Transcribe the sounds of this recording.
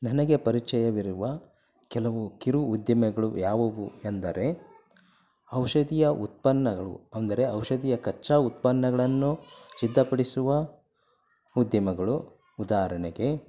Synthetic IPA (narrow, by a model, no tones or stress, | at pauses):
nɐnɐɡe̞pɐɾit͡ʃɛjɐʋiɾuʋɐ | kɛlɐʋukiɾuːd̪jɐmɐɡɐɭujaːʋɐʋṵend̪ɐɾe | ɐwʂɐd̪ijɐʔut̪̚pɐnːɐɡɐɭṵɐnd̪ɐɾe̞ɐwʃɐd̪ijɐkɐt͡ʃːaut̪̚pɐnːɐɡɐɭɐnːusid̪ːɐpɐɽisuʋɐ | ud̪jɐmɐɡɐɭu | ud̪aːɐɾɐɳeɡe̞